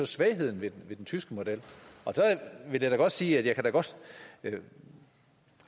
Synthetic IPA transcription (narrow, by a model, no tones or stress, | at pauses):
ɒ̽sʋɛɪɦe̝ð̞̰ˠn̩ʋe̝̥ʋe̝d̥ent͡sʰysɡ̥əmo̝d̥el̰ʔɒ̽d̥æʋe̝ljäd̥æɡ̥ɒ̽d̥siːæd̥jɑ̈ɪkʰæd̥æɡ̥ɒ̽d̥